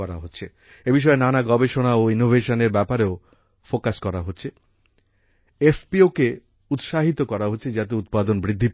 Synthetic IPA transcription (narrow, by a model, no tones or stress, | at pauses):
ɔɾa̰ɦotːɕʰe | ebiʃ̬ɔenanaɡɔbeʃonaoinobʱeʃoneɾbɛpaɾeo | fokaskɔɾaɦotːɕʰe | efpioke | ut̪ʃaɦit̪okɔɾaɦotːɕʰed͡ʑat̪eut̪̚pad̪onbɾid̪ʱːip